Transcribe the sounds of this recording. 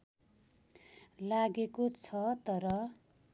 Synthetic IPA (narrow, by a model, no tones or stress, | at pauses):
laɡekot͡sʰʌt̪ʌɾʌ